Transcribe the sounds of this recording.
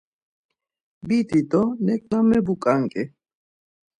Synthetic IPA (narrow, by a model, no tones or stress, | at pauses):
bit̪it̪ɔnɛkʼnamɛbukʼaŋkʼɛ